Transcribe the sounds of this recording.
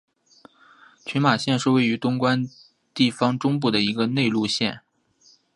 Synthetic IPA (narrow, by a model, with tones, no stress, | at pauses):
t͡ɕʰy˧˥nma˨˩ɕjɛ˥˧nʂɻ̩˥˧we˥˩ɪy˧˥t̪ʊ˥ŋkwa˥n | t̪i˥˩fɑ˥ŋʈ͡ʂʊ˥ŋp̬u˥˩d̪ə˩i˧˥ɡə˧ne˥˧ɪlu˥˧ɕjɛ˥˩n